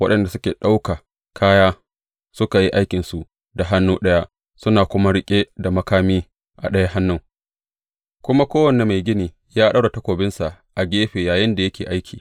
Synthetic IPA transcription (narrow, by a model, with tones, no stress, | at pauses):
wɐ˦ɗɐ˨nda˨sʊ˦kʲeː˨ɗa˦wka˨ | kʰaː˦jaː˦ | sʊ˦ka˨ji˦ʔa˦jkʲɪ˨nsu˨ʔ | da˨ɦa˦nːuː˦ɗɐ˦ja˦ʔ | sʊ˦naː˨kʷʊ˦ma˦ɽɪ˦kʲʼe˦da˨mɐ˦kaː˦miː˦ | ʔa̰˨ɗɐ˦ja˦ɦa˦nːʊ˦ŋ | kʷʊ˦ma˦kʷoː˦wɐ˨ne˨ma˨jɡʲɪ˦niː˨ | jaː˦ɗa˦wɽa˨tɐ˦kʷoː˨bɪ˦nsa˨ʔ | ʔa˨ɡʲeː˦ɸeː˨jaː˨jɪ˦nda˨jɐ˦kʲʰeː˨ʔa˦jkʲʰiː˨